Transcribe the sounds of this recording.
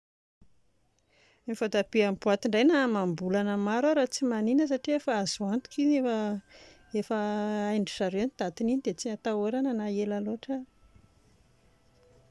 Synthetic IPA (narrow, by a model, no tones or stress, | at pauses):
mifod̪apiambuat̪iɳɖ͡ʐajnamambulanəmaɾuaɾat͡simaninəs̬aʈ͡ʂiefaazuant̪u̥kinefə | efəajɳɖ͡ʐiʈ͡ʂaɾewnit̪at̪ininid̪et͡sinat̪aoɾanənaelaloʈ͡ʂə